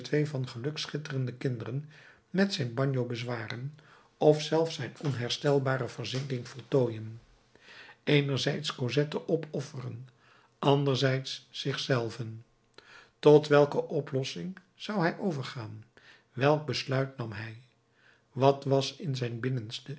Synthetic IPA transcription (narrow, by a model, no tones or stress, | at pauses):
tʋejvɑnχəlɵksχɪtərəndəkɪndərən | mɛtsɛjnbɑɲjowbəzʋaːrən | ɔfsɛlˠfsɛjnɔnɦɛɹstɛlˠbaːrəvəɹzɪnɡɪŋv̥ɔlˠtoːjən | ejnəɹzɛjtskozɛtəʔɔpʰɔfərən | ʔɑndəɹzɛjtsːɪχsɛlˠvən | tɔtʋɛlˠkəʔɔplɔsɪŋ | z̥ɑwɦɛjʔowvəɹχaːn | ʋɛlˠɡ̚bəslœɥtnɑmɦɛj | ʋɑtʋɑsɪnzɛjnbɪnənstə